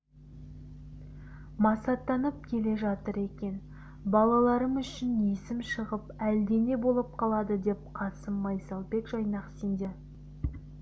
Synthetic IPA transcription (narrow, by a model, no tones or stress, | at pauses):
mɑsɑt̪ːɑnəp̚kʲʰe̞le̞ʒɑt̪əɾe̞kʲe̞n | bɑlˠɑlˠɑɾəmʏʃɪnjesɪmʃəʁəpæld̪e̞ne̞bo̞lˠəp̚qʰɑlˠɑd̪əd̪e̞p̚qʰɑsəmːɑjsɑlˠbe̞kʒɑjnɑqsend̪e